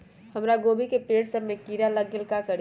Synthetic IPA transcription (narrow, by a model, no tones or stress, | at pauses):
hɐmɾaɡoːbikepeːɽsəɾmẽkiːɾaləɡɪlkakəɽ